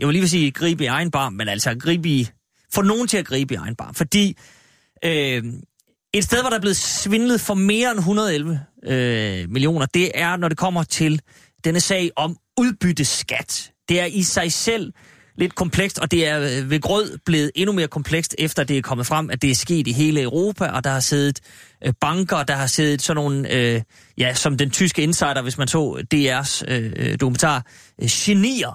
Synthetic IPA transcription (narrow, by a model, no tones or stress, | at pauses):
jɑʋe̝liːʋes̬iːɡ̥ʁḭːb̥əiɑ̈ɪn̩b̥ɑ̈ːnmenæl̰sɒɡ̥ʁiːb̥əi | fɒno̝ːn̩t͡sʰe̝læɡ̥ʁiːb̥əiɑ̈ɪnb̥ɑ̈ːnfɒd̥ḭː | ʔ | e̝d̥sd̥eðˠʋɒɾ̥ɑ̈ɐb̥le̝ð̩ˠsʋe̝nləð̞̩ˠfɒ̽me̝ːɐenɦunɐð̞ˠelʋəømilio̝̰ːnɐd̥e̝ʔæɐnɒɾ̥e̝kʰɒ̽m̰ɐt͡sʰe̝l | d̥enəsɛ̰ɪʔɒ̽m | uðˠb̥yd̥əsɡ̥æd̥d̥e̝æɐʔisɑ̈ɪsel̰ | le̝d̥̚kʰɒ̽mpʰleɡ̥sd̥ɒ̽d̥e̝æɐʋe̝ɡ̥ʁɔð̰ˠb̥le̝ːð̩ˠe̝nume̝ːɐkʰɒ̽mpʰleɡ̥sd̥efd̥ɐæd̥e̝æɐkʰɒ̽mð̩ˠfʁam̰æd̥e̝æɐsɡ̥e̝̰ːd̥iɦe̝ːləøʊʁo̝ːpʰæʔɒ̽d̥ɑ̈hɑ̈seːð̞ˠð̩ˠʔb̥ɑ̈ŋɡ̥ɐd̥ɑ̈ɦɑ̈seːðˠð̩ˠsɒ̽nːo̝ːn̩ø | jæsɒ̽md̥ent͡sʰysɡ̥əe̝nsɑ̈ɪ̰ɾɐʋe̝smænsɒ̰ːd̥e̝æɐsød̥o̝kʰument͡sʰɑ̰̈ː | ɕe̝nḭːɐ